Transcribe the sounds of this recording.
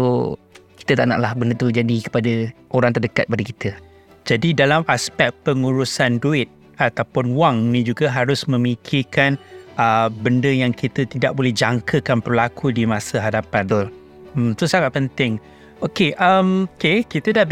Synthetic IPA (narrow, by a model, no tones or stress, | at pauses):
o | ki̥t̪ət̪aʔna̰ʔlahbəndət̪ud͡ʒadikə̥padəʔoɾaŋt̪ərdəkat̪̚əpadəkit̪ʰə | d͡ʒadidalamʔaspɛk̪̚pəŋuɾusanduɪt̪̚ | at̪awpʊnwaŋnid͡ʒuɡəɦaɾʊsmə̃mikʰikanəbəndəjaŋkit̪ət̪idaʔ̚bolɛhd͡ʒaŋkʰəkanpərlakudimãsəɦadapadɔl | mm̩t̪ɾʊsaŋat̪̚pənt̪ɪŋ | okeʔəmkekit̪ədah